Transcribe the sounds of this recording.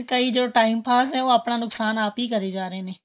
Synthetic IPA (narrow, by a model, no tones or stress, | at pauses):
kɐid͡ʑoːʈaːɪmpʰaːsɛ̃uɐpɽ̃anʊksaːnaːpikɐɾid͡ʒaːɾene